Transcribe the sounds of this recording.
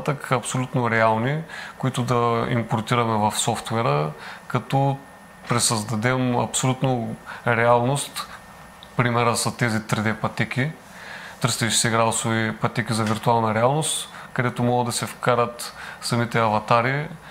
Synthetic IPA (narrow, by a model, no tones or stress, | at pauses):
t̪əkɐpsolʲut̪noɾɛalˠnikoit̪ʊd̪ɐḭmpoɾt̪iɾɐmɛvɐfsɔft̪vɛɾəkɐt̪ɔ | pɾɛsɐzd̪ɐd̪ɛmɐ̰psolʲut̪noɾɛalˠnost̪ | pɾimɛɾəsɐt̪ɛzit̪ɾid̪ɛpɐt̪ɛkʲi | t̪ɤɾsɛʃi̥sɛɡɾad̪ˠsovipɐt̪ɛkʲizɐviɾt̪ualˠnəɾɛalˠnost̪kɐd̪ɛt̪omɔɡəd̪ɐsɛfkaɾət̪sɐmit̪ɛɐvɐt̪aɾi